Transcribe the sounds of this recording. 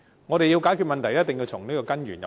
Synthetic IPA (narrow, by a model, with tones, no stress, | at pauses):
ŋɔː˨˧ɾe˨ji˧wkaː˨˥kʰy˧tmɐ˨nt̪ʰɐ˨˩jɐ˥t̚t̪ɪ˨ŋji˧wt͡sʰʊ˨˩ŋniː˥kɔː˧kɐ˥njyː˨˩njɐ˨